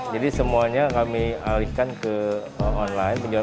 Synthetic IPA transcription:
d͡ʒadisəmuaɲakamialikankə | əɔnlaɪnbəɲd͡ʒa

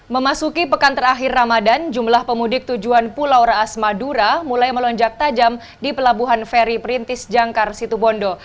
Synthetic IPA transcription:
məmasukipəkant̪əɾaɦɪrːamadand͡ʒumlahpəmudɪk̚t̪ud͡ʒuanpulawɾaːsmaduɾamulajməlɔɲd͡ʒak̚t̪ad͡ʒam | dipəlabuɦanfɛɾipəɾint̪ɪsd͡ʒaŋkarsit̪ubɔndɔ

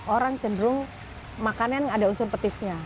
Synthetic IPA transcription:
ʔoɾaŋt͡ʃəndɾʊŋ | makananŋadaunsʊnpət̪ɪsɲa

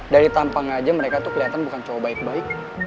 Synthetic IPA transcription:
daɾit̪ampaŋad͡ʒaməɾekat̪ukəliɦat̪anbukant͡ʃowabaɪk̚baɪk̚

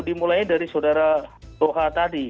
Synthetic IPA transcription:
dimulajdaɾisawdaɾatoɦat̪adi

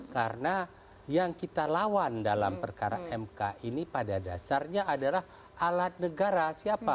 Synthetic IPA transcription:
karna | jaŋkit̪alawandala̰mpərkaɾaʔɛmkaʔinipadada̰sarɲaadalah | alat̪̚nəɡaɾasiapa

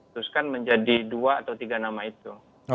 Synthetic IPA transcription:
t̪uskanməɲd͡ʒadiduaːt̪awt̪iɡanamait̪u

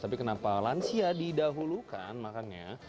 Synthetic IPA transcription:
t̪apikənapalansiadidaɦuluka̰nmakanɲa̰

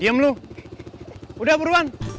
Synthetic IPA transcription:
iəmlu | udahbəɾuan

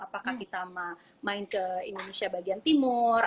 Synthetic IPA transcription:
apakakit̪ama | maɪnkəindonesiabaɡiant̪imʊr

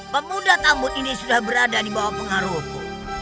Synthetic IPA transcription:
pamudat̪amʊt̪inisudahbəɾadadibawapəŋaɾɔf

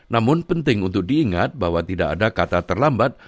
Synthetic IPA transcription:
namʊnpənt̪ɪŋunt̪ʊk̚diːŋat̪̚baɦwat̪idaʔa̰dakat̪at̪ərlambat̪̚

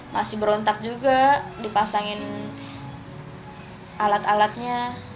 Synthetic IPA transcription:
mʔasɪhbəɾɔnt̪ak̚d͡ʒuɡadipasaŋɪn | ʔalat̪alat̪̚ɲa

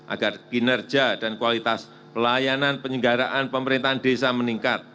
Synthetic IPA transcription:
ʔa̰ɡ̥arɡ̥inər̥d͡ʒadankuwalit̪as | pəlajananpəɲəŋɡaɾaʔanpəməɾint̪aandesaməniŋkat̪̚

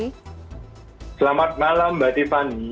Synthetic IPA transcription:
səlamat̪̚malambat̪isani

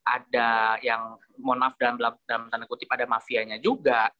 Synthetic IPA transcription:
ʔadajaŋ | monafdalamlamdalamt̪anakut̪ɪpadamafiaɲad͡ʒuɡa

